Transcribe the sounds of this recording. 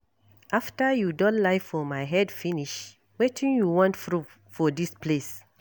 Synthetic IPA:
ʔaftəjudɔ̃nlaɪfɔmaɪɦɛdfĩniʃ | wetʰĩnjuwɔ̃ntfɹu | fɔdisples

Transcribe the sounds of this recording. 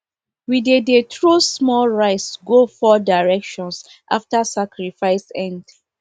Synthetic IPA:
widedetʰɹosmɔlɹaɪtsɡofɔdaɹɛkʃɔ̃ns | ʔa̰ftasakɹifaɪsɛ̃nd

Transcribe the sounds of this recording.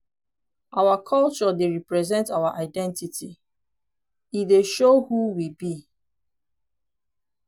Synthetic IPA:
ʔawakʰʌlt͡ʃɔdeɹipɹɛzɛ̃ntawaʔaɪdɛ̃ntitʰi | ideʃohuwibi

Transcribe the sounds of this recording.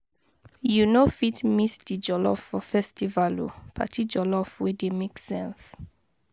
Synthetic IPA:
junofitmisdid͡ʒɔlɔ̰fɔfɛstivalṵpʰa̰tʰid͡ʒɔlɔfwedemeksɛ̃ns

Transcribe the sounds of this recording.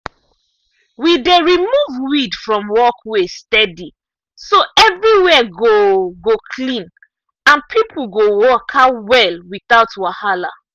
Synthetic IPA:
wideɹimuvwidfɹɔ̃mwɔkwestɛdi | soʔɛvɹiwɛɡoɡokʰlĩn | ãnpʰipʰl̩ɡowɔkʰawɛlwiθaʊtwahala̰

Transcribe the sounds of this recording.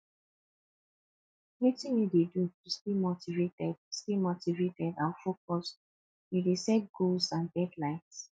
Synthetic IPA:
witĩnjudedutustemotivetɛd̥̚stemotivetɛdãnfokɔs | judesɛt̚ɡ̥olsãnbɛtlaɪts

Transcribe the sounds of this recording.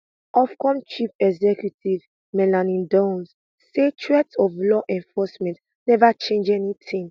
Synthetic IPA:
ɔfkɔ̃mt͡ʃipɛɡzɛkjutiv | mɛlanĩdõns | set͡ʃʰɹɛtsɔvlɔʔɛ̃ɱfɔsmɛ̃nt | nɛvat͡ʃẽnd͡ʒɛnitʰĩŋ

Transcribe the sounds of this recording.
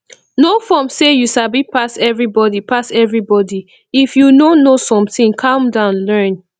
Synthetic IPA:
nofɔmsejuʃabipʰasɛvɹibɔdipʰasɛvɹibɔdi | ifjunonosɔ̃mtĩŋkʰãmdãʊ̃nlɜ̃n

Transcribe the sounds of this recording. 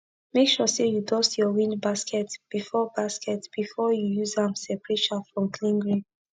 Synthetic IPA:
mekʃɔsejudɔstjɔwĩnbaskʰɛtb̥ifɔbaskɛtb̥ifɔjujuzãmsɛpɹeʃafɹɔ̃mkʰlĩnɡɹĩn

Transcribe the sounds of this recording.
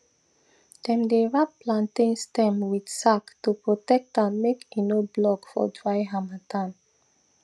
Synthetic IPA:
d̥ɛ̃mdeɹap̚plãntĩnstɛ̃mwidsaktupɹotɛk̚tãnmekinoblɔkfɔ̰dɹaɪɦamatʰãn

